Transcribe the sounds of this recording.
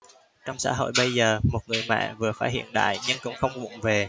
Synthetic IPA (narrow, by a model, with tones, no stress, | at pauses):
t͡ɕɔ˧wŋ͡msa̰ː˧˥ɦo̰˧˨jɓə˧jzəː˨˩mo˨˩t̚ŋɨ˨˩əjmɛ̰ː˧˨vɨ˨˩əfaː˧˥t̚hḭ˧˨ənɗa̰ː˧˨jɲɨ˧ŋkʊ̰˧˥ŋ͡mxə˧wŋ͡mɓʊ̰˧˨ŋ͡mve˨˩